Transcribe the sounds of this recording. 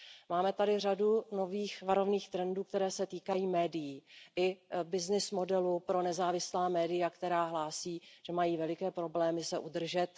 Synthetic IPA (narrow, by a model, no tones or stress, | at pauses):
maːmɛt̪adɪr̝aduno̞viːxvaɾo̞vniːxt̪ɾɛnduːk̚t̪ɛɾɛːsɛt̪iːkajiːmɛːdɪjiːʔɪbɪznɪsmo̞dɛlupɾo̞nɛzaːvɪslaːmɛːdɪjakt̪ɛɾaːɦlaːsiːʒ̥ɛmajiːvɛlɪkɛːpɾo̞blɛːmɪsɛʔud̪r̩ʒɛt̪